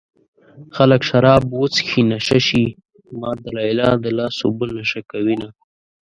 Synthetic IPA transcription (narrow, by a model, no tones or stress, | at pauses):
xaləkʃaɾɑbwot͡sxinaʃaʃi | mɑːd̪alɑjlɑd̪əlɑːso̰bəlnaʃakawina